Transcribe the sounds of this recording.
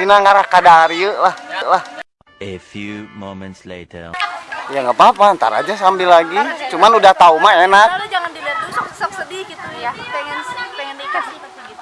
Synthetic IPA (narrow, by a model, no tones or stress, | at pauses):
sinaŋaɾakadaɾiəlahəlah | efjumomɛ̃nt̪slḛtʰə̰jaŋɡapaapaːnt̪a̰ɾa̰d͡ʒas̬ambilːaɡit͡ʃumanudaht̪aumaenak̚d͡ʒaŋandilat̪uŋsasapsədiɡit̪ujapɛŋanpɛŋəndikas